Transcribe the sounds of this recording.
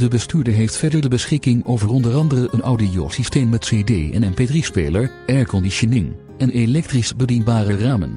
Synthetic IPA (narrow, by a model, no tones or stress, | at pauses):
d̥əbəstyːɹdəɹɦejftfɛɹdəɹdəbəsχɪkɪŋowvərɔndərɑndərəʔənɑwdijo̰sisteːmmɛtseːdeːɛ̰nɛmpeːdrispḛjləɹ | ɛɹkɔndiʃonɪŋ | ɛnelɛk̚trisbədinbaːrəraːmə̰n